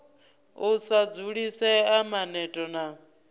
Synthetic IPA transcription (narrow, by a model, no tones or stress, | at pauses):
usad͡zuɺisɛamanɛtʼɔna